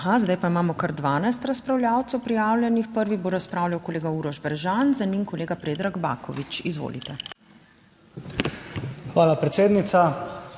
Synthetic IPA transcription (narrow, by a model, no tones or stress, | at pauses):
ɦazd̪ajpaimaːmɔkaɾd̪ʋaːnajst̪ɾɐspɾawljaːwt̪sɛwpɾijaːwlʲjɛnixpəɾʋiboːɾaspɾaːwlʲjawkoleːɡauɾɔʒbɛɾʒanzanimkɔleːɡapɾeːd̪ɾaɡba̰ːkɔ̰ʋit͡ʃizʋo̰ːlḭt̪ɛ | xʋaːlapɾɛt̪seːd̪nit̪sa